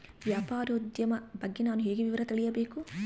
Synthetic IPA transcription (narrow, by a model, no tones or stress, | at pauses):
ʋjaːpaːɾɐud̪jɐmɐbɐɡːenaːnuɦeːɡeʋiʋɐɾɐt̪iɭijɐbeːku